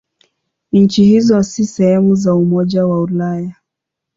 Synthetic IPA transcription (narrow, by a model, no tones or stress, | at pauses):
n̩t͡ʃihizɔsisɛhɛmuzaumɔʄawaulaja